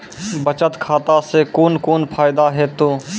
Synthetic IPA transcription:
bət͡ʃət̪kʰaːt̪asekoːnkoːnpʰaːɪd̪aɦɛt̪oː

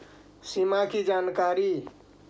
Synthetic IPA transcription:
simakid͡ʒankaɾi

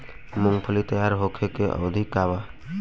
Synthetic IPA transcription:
mʊŋɡpʰəlit̪əjaɾɦokʰekeʔə̰d̪ʱikːaba

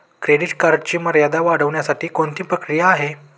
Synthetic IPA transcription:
kɾeɽiʈkaɾɖ̚t͡ɕiːməɾjad̪aʋaɽ̤əʋɳjasaʈiːkoɳt̪iːpɾəkɾijaːɦe

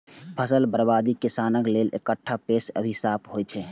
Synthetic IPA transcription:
pʰəsəlbəɾbad̪ikisanəklelʔḛkəʈʰːapesə̰bʱisapʰɦojt͡ʃʰɛ

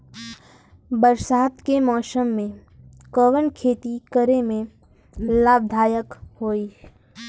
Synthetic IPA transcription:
bəɾsaːt̪kemɔːsəmːẽ | kɔʋənkʰeːt̪ikəɾemẽ | laːbd̪ʱaːjəkhoːiː

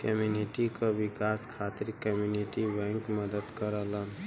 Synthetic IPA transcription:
kəmjuniʈikaʋɪkaːskʰaːt̪ɪɾkəmjuniʈibɛ̃ːŋkməd̪əd̪kəɾala

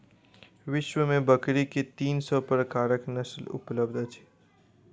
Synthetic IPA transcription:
ʋɪʃʋəmẽbəkɾiket̪iːnsopəɾkaɾəknəslṵpləbd̪ʱət͡ʃʰe̥

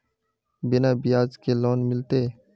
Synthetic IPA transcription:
bɪnaːbɪjaːd͡ʒkelɔːnmɪlt̪eː

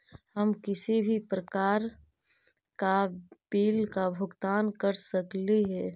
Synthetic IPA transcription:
həmkɪsibʱipɾəkaːɾ | kab̥iːlkabʱʊɡt̪aːnkəɾsəkliɦɛː

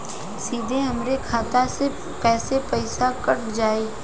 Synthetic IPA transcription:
siːd̪ʱeɦɐmɾekʰaːt̪ase | pɛːsepɐɪsakɐʈ̚d͡ʒaːeː

